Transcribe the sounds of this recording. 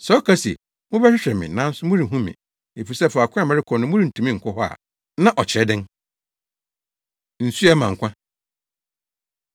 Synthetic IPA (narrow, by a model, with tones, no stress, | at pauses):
sɔ˨˦kʰa˦si˨ɛ˨ | mʊ̃˦bɛ˦ɕᶣɪ˦ɕᶣɾɛ˨mɪ̰̃˨nã˨˦n̩˦sʊ˦mʊ̃˦ɾi˨ɦũ˦mɪ̰̃˨ | e˨fi˨sɛ˦fʊ˨a˨kʷʰa˦˨mɛ̃˦ɾɪ˦kʰɔ˨nʊ̃˦mʊ̃˦ɾi˦˨n̩˨tʰũ˨mĩ˦˨ŋ̩˨kʷʰʊ˦hɔ˦a̰˨ | nã˦ʔɔ˨t͡ɕʰɪ˨ɛ˨˦dɪ̃˦n | n̩˨su˦ɛ˦mã˨ŋ̩˨kʷʰã˦